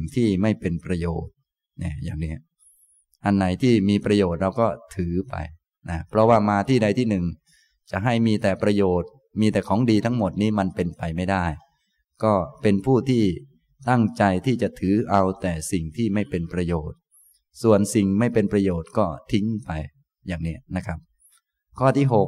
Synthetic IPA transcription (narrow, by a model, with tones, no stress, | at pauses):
ŋt̪ʰiː˥˩ma˥˩jpe˧npɾa˧joː˨˩t̪̚ | nɛ̰˧˩ja̰ː˨˩ŋni˦˥ɐ | ʔa˧nːa˨˩˦jt̪ʰiː˥˩miː˧pɾa˧joː˨˩t̪̚ɾa˧wkɔː˥˩t̪ʰɯː˩˦pa̰˧j | na˦˥pʰɾɔ˦˥waː˥˩maː˧t̪ʰiː˥˩da˧jt̪ʰiː˥˩nɯ˨˩ŋ | t͡ɕa˨˩ʔɦa˥˩jmiː˧t̪ɛː˨˩pɾa˧joː˨˩t̪̚ | miː˧t̪ɛː˨˩kʰɔː˩˦ŋdiː˧t̪ʰa˦˥ŋmo˨˩t̪̚niː˦˥ma˧npe˧npa˧jma˥˩jdaː˥˩j | kɔː˥˩pe˧npʰuː˥˩t̪ʰiː˥˩ | t̪a˥˩ŋt͡ɕa˧jt̪ʰiː˥˩t͡ɕa˨˩t̪ʰɯː˩˦ʔa˧wt̪ɛː˨˩si˨˩ŋt̪ʰiː˥˩ma˥˩jpe˧npɾa˧joː˨˩t̪̚ | su˨˩ənsi˨˩ŋma˥˩jpe˧npɾa˧joː˨˩t̪̚kɔː˥˩t̪ʰi˦˥ŋpa˧j | jaː˨˩ŋni˦˥ɐna˦˥kʰɾa˦˥p̚ | kʰɔː˥˩t̪ʰiː˥˩ɦo˨˩k̚